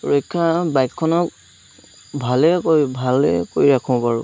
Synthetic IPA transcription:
ɹojkʰːabajkʰːɔnɔk | bʱalɛkojbʱalɛ̰kojɹakʰɔ̃paɹʊ̰

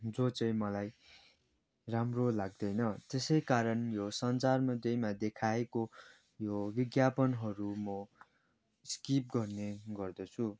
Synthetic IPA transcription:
d͡zot͡sʌj̃mʌlaj | ramrolaɡ̚d̪ʌjnʌt̪esʌjkaɾʌnjosʌnt͡sarmʌd̪jʌjmad̪ekʰaeko | jobiɡjapʌnɦʌɾumʌ | skip̚ɡʌrneɡʌrd̪ʌt͡sʰu

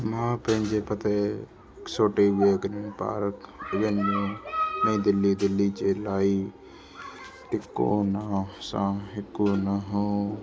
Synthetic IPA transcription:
mãːpẽːɲd͡ʒeːpət̪eː | ɪksoːʈeːʋeːəɡɾinpa̰ːɾəkəd͡ʒenːiːmẽːd̪ɪlːiːd̪ɪlːiːt͡ʃeːlaːiː | ʈɪkːo̰ːnasãːɦɪkːuːnaɦõː

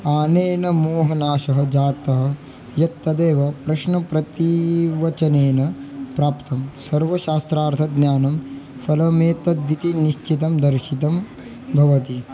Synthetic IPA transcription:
aːneːnɐmuːɦɐnaːʃɐɦɐd͡ʒaːt̪ɐɦɐ̆ | jɐt̪ːɐd̪eːʋɐpɾɐʃnɐpɾɐt̪iʋɐt͡ʃɐneːnɐpɾaːpt̪ɐmsɐɾʋɐʃaːst̪ɾaːɾt̪ʰɐɡnjaːnɐmfɐlɐmeːt̪ɐd̪ʋit̪iniʃt͡ʃit̪ɐmd̪ɐɾʃit̪ɐm | bʱɐʋɐt̪i

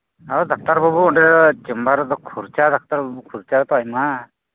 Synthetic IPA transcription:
aɔd̪ak̚t̪aɾbɔbuɔɳɖɛɔt͡ʃimbaɾɔt̪ɔkʰuɾt͡ʃad̪ak̚t̪aɾbɔbukʰuɾt͡ʃaɾɔt̪ɔajma

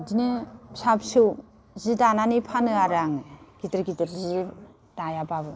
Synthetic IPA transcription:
dinɯsapsɯw | zidananipʰanɯaɾaŋɡitɾɡitɯɾzi | dajababɯ

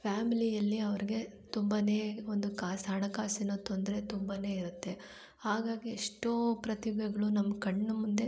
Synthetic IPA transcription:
pʰjaːmilijɐlːiɐʋɐɾiɡe̞t̪umbɐne̞ːond̪ukaːsɦɐɳɐkaːsinut̪ːond̪ɐɾe̞t̪umbɐne̞ːiɾut̪ːe̞ | haːɡaːɡieʂʈoːpɾɐt̪ibɛɡɐɭunɐmːɐkɐɳːɐmund̪e̞

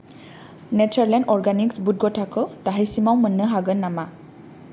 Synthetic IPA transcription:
net͡ʃəɾlendɔɾɡaniksbut̚ɡɔtʰakʰɯdaɦijsimawmənːɯɦaɡɯnːama

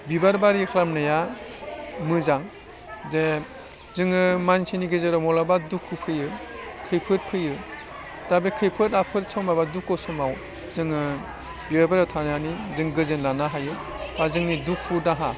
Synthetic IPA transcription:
bibaɾbaɾikʰɾamnɯja | mɯzaŋ | ze | zɯŋɯmansʰiniɡɯzaɾɔmɔlabadukʰupʰɯjɯkʰɯjpʰɯt̚pʰɯjɯ | dabekʰɯjpʰɯtapʰɯɾsʰɔmabadukːɔsɔmaw | zɯŋɯ | bibaɾbaɾatʰananizɯŋɡɯzɯnlanaɦajɯ | bazɯŋniduk̚ʰudaɦa

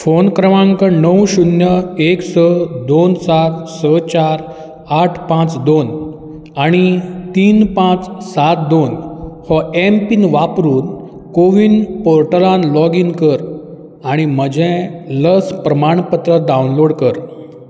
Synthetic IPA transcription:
fonkɾəmãŋkənəwɕunjəeksəd̪onsat̪sət͡ɕaɾ | aʈʰpãt͡sd̪on | aɽ̃it̪iːnpãt͡ssat̪̚d̪onhɔempinʋapɾuːn | koʋinpoɾʈəlanlɔɡinkəɾ | aɽ̃im̤əd͡ʑʱɛ̃ləspɾəmaɳ̃pət̪ɾəd̪aunloɽkəɾ

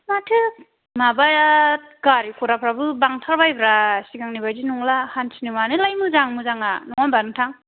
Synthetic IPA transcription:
matʰɯ | mabat̚ɡaɾikʰɔɾapʰɾabɯbaŋtʰaɾbajbɾasiɡaŋnibajzinuŋlahansinimanɯlajmɯzaŋmɯzaŋanɔŋanbanɯŋtʰaŋ

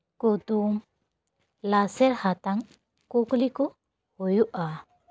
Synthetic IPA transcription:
kut̪uŋ | lasɛɾhat̪aŋ | kuklikɔ | hujuʔa

